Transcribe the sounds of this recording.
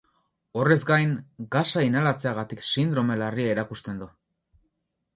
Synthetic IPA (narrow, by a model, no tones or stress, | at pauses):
o̞re̞zɡajŋɡasainalat͡se̞aɣ̞at̪iksind̪ɾo̞me̞lariaeɾakust̪e̞nd̪u